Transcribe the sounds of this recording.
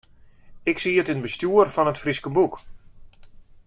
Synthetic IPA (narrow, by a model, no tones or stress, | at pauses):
ɪksiətɪnbəstjuːərfɔnətfriskənbuk